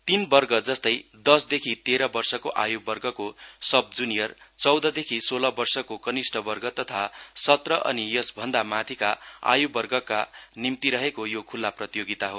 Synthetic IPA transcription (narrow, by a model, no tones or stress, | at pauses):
t̪inbʌrɡʌd͡zʌst̪ʌjd̪ʌsd̪ekʰit̪eɾʌbʌrsʌkoʔajubʌrɡʌkosʌb̚d͡zunijʌr | t͡sʌwd̪ʌd̪ekʰisolʌbʌrsʌkokʌnisʈʌbʌrɡʌt̪ʌt̪ʰasʌt̪rʌʔʌ̰nijʌsbʱʌnd̪amat̪ʰikaa̰jubʌrɡʌkanimt̪iɾʌɦekojokʰulːaprʌt̪ijoɡit̪aɦo